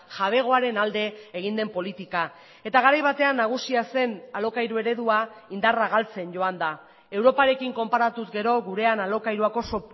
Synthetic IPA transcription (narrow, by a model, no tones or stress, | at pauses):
ʝaβ̞e̞ɣ̞o̞aɾe̞nald̪e̞ːɣ̞ind̪e̞mpo̞lit̪ika | e̞t̪aɣaɾajβat̪e̞anːaɣ̞usiase̞nalo̞kajɾue̞ɾe̞ðuaind̪araɣalt͡se̞nʝo̞and̪a | e̞wɾo̞paɾe̞kiŋko̞mpaɾat̪ut̪ɡe̞ɾo̞ɣuɾe̞analo̞kajɾuako̞so̞